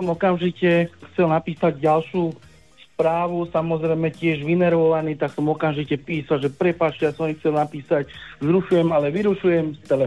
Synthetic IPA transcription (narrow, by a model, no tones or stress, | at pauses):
sɔmɔkamʒicɛxt͡sɛlnapiːsaɟɟalʃuː | spɾaːʋusamɔzɾɛjmɛcɪɛʒʋinɛɾʋɔʋaniːt̪aksɔmɔkamʒicɛpiːsalʒɛpɾɛpaːt͡ʃɛjasɔmixt͡sɛlnapiːsaczɾuʃujɛmalɛʋiɾuʃujɛmst̪ɛlɛ